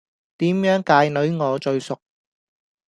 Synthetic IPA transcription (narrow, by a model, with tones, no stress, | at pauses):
t̪iː˨˥mjœː˨˥ŋkaː˧jnɵ˨˥ɥŋɔː˨˧t͡ʃɵ˧ɥsʊ˨k̚